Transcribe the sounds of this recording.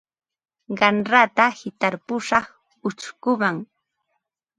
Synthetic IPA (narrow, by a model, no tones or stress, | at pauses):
ɢɑnɾat̪ahɪt̪aɾpʊʃɑχ | ʊt͡ʃkʊmaŋ